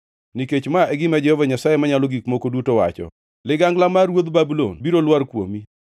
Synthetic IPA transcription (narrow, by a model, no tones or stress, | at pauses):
niket͡ʃmaʔeɡɪmad͡ʒɛhɔvaɲasajemaɲalɔɡikmokodutowa̰t͡ʃɔ̰ | lɪɡaŋɡlamarwod̪babulo̰nbiɾolwaɾkwo̰mi